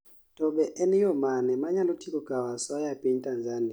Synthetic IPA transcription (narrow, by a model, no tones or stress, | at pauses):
tʼɔɓɛʔɛnijɔmanɛmaɲalutʰikʼɔɡ̥ʱawasɔajapʼintʼanzani